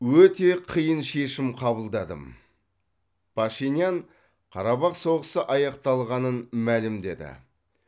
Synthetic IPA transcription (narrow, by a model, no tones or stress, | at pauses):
wɵt̪e̞qʰijənʃe̞ʃɪmqʰɑbəlˠd̪ɑd̪ə̰m | pʰɑʃinijaɴ | qʰɑɾɑbɑqso̞ʁəsəʔɑjɑqt̪ɑlˠʁɑnənmælɪmd̪e̞̰d̪ɪ̰